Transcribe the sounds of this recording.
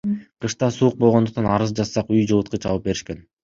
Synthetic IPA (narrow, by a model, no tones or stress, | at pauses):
qʰɯʃt̪ɑsuːq̚bolˠʁod̪uq̚t̪ɑnɑɾɯzd͡ʒɑssɑqyjd͡ʒɯlˠut̪̚qɯt͡ʃʰɑvɯp̚be̞ɾiʃke̞n